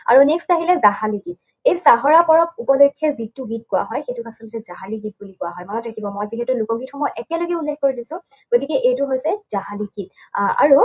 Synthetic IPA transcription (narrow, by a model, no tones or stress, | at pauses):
a̰ɹunekstaɦilɛzaɦaliɡit̚ | ejsaɦɔɹapɔɹɔk̚upɔlekʰːɛzitːuɡit̚kʊwa̰ɦɔjxetukasɔtɔsɛzaɦaliɡit̚bulikʊwaɦɔjmɔjtʰakibɔmɔjziɦɛtʊlʊkɔɡitxɔmɔjʔɛkɛloɡɛulːɛxkoɹidisʊ̃ | ɡ̥otikɛʔejtʊɦojsɛzaɦaliɡit̚a̰ɹu